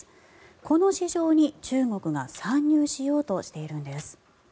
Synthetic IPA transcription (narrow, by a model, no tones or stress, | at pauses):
ko̞no̞ɕiʑo̞ːɲ̟it͡ɕɨːŋo̞kɯ̟ɡasãɲ̟ːɨːɕijo̞ːt̪o̞ɕi̥t̪e̞iɾɯ̟̃nd̪e̞sɨ̥